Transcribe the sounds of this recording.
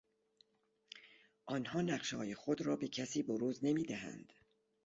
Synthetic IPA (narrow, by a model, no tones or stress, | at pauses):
ʔɒːnhɒːnæqʃɒ̰ːjexo̞d̪ɾɒːbe̞cʰæsiːboɾuːzne̞miːd̪æhæ̰nd̪̥